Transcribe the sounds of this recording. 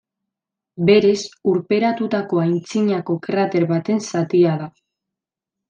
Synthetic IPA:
be̞ɾe̞suɾpe̞ɾat̪ut̪ako̞ajnt͡siɲako̞kɾat̪e̞ɾβat̪e̞nsat̪iaða

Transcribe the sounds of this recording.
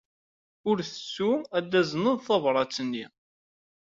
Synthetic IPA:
ʊɾθə̥sːuæd̪ːæznəðˤθɑvɾˤɑt͡sːənːi

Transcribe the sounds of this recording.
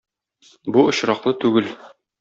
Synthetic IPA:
buŏɕɾɑqlˠɤt̪ʉɡɘl

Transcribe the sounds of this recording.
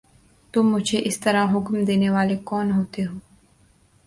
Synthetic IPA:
t̪ʊmːʊd͡ʒʱeʔɪst̪ɐɾaɦʊkmd̪eːneʋaːlekɔːnɦoːt̪eɦoː

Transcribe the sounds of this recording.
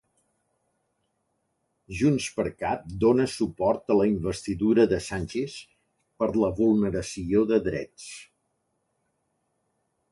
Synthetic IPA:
ʒunspəɾkap̚d̪onəsupɔɾt̪ələimbəst̪iðuɾəðəsanʲt͡ʃes | pəɾləβulˠnəɾəsioðəðɾɛ̰t͡s

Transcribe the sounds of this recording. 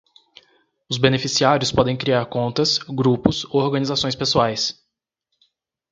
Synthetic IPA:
ʊzbenefisiaɾjʊspɔd̪ẽj̃kɾiaɾkõnt̪ɐsɡɾupʊsooɾɡɐnizasõj̃spesuajs

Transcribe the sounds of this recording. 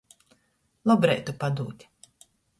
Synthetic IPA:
lˠɔbɾɛjt̪upad̪uːt̪ʲ

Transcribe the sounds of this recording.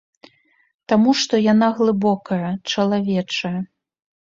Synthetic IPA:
t̪amuʂt̪ɔjanaɣlˠɨbɔkɐjɐt͡ʂɐlˠavʲɛt͡ʂɐjɐ

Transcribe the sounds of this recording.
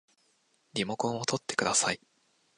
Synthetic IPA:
ɾʲimo̞kõɰ̃o̞t̪ʰo̞t̪ːe̞kɯ̟d̪asai

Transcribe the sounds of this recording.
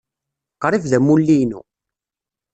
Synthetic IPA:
qɾˤivðæmulːinṵ

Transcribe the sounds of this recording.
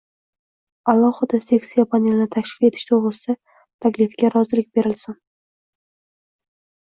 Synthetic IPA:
alˠːɒhɨd̪ase̞ksijapʰanelɪnɪt̪ʰaklɪ̥fle̞t̪ʰɪ̥ʃt̪ʰoʁɾɨsɪ̥a | t̪ʰakʲlɪfɡʲaɾɒzɪlɪk̚ʲbe̞ɾɪlsɪn

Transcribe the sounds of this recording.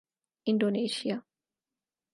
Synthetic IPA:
indoneʃia

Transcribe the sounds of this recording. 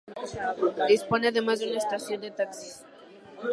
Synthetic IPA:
d̪isponeaðemazðeunaest̪asjo̞nd̪et̪aksi̥s

